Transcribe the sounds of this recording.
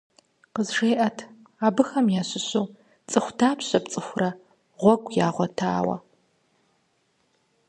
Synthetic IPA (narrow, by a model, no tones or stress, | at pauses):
qəzʂeːʔɐtʰ | aːbɨxɐmjaːɕɪɕɨw | t͡sʼɨxʷdaːpɕɐpt͡sʼɨxʷʊrɐ | ʁʷɔɡʷjaːʁʷɔtʰa̰ːwɐ̰